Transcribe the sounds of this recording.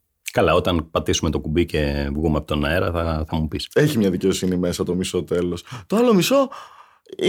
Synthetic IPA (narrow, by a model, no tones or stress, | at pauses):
kɐlɐo̞t̪ɐnpɐt̪isume̞t̪o̞kubice̞vɣumeɐpot̪onɐeɾɐθɐθɐmupise̞çimɲɐðice̞osinime̞sɐt̪o̞miso̞t̪e̞lo̞st̪oɐlomiso̞